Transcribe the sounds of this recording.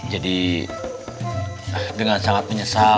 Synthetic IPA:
d͡ʒadi | dəŋansaŋat̪̚məɲəsa

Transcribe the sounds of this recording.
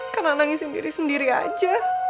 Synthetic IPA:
karnanaŋisəndḭɾisəndiɾia̰d͡ʒa

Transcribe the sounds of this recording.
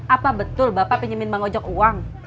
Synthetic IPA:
ʔapabət̪ʊlbapapəɲəmɪnmaŋod͡ʒɔkuwaŋ

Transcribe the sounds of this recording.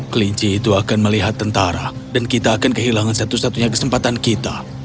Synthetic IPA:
kəliɲt͡ʃiːt̪uakanməliɦat̪ːənt̪aɾa̰ | dankit̪aːkankəɦilaŋansat̪usat̪uɲakə̥səmpat̪ankit̪a

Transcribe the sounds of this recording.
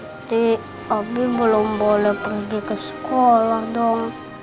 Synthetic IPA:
t̪i | abibəlʊmbolɛhpərɡikəsə̥kolahdɔŋ

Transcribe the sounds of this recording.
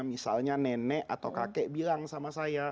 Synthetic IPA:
misalɲanɛnɛʔat̪awkakɛʔbilaŋsamasaja

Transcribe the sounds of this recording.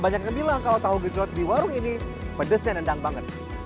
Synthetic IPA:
baɲak̚əbilaŋkalat̪aɦuɡəd͡ʒɔt̪̚diwaɾʊŋinipədəsɲanəndaŋbaŋət̪̚

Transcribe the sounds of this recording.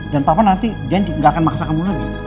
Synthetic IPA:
danpapanant̪id͡ʒaandiŋɡakanmaksakəmulab̪a

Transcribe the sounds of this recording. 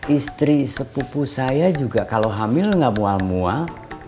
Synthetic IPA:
ʔist̪ɾisəpupusajad͡ʒuɡakaloɦamɪlŋamualmua

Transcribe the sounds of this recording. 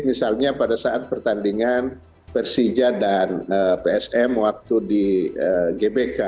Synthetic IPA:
misalɲapadasaʔat̪̚pərt̪andiŋan | pɛrsid͡ʒadanəpeɛsɛmwak̚t̪udiəɡebeka

